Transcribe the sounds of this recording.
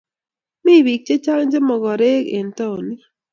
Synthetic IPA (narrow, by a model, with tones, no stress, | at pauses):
mi˦˨wi˨k̚t͡ʃe˦t͡ʃa˦ŋd͡ʒe˦mɔ˨ɡɔ˨ɾe˦kḛ˨n˨tɔ˦˨wni˦